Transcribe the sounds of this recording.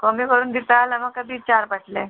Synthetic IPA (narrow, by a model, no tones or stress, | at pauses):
kɔːmikəɾuːnd̪ɪt̪alɐmãkɐbʱit͡ʃaːɾbɐʈʰle